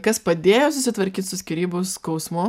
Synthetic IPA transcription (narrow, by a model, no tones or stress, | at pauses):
kɐspɐd̪ʲeːjoːsʊsʲɪt̪ʋɐɾʲkʲiːt̪sʊsʲkʲɪɾʲiːboʊskɐʊsmʊ